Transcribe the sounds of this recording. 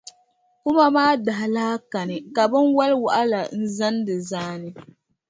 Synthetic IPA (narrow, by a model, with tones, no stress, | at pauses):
kʊ˦ma˦maː˦da˨ɦa˨laː˦ka˨nɨ˨ka˨bɨ˦nwa˦lwa̰˨ʔa˦la˨n̩˦za˦n˦dɨ˨zaː˦nɨ˦